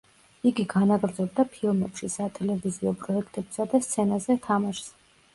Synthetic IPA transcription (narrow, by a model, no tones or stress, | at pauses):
iɡiɡanaɡɾd̪zɔb̚d̪apʰilˠmɛpʃisat̪ʰɛlɛviziɔpʰʼɾɔɛkʰt̪ʰʼɛbsad̪ast̪sʰɛnazɛt̪ʰamaʃs